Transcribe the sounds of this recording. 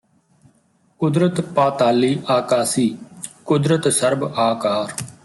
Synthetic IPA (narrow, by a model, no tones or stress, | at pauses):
kʊd̪ɾət̪paːt̪aːliːʔaːkaːsiːkʊd̪ɾət̪səɾbaːkaːɾ